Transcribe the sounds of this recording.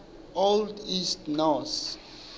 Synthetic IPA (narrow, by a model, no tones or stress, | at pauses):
oldistnɔθ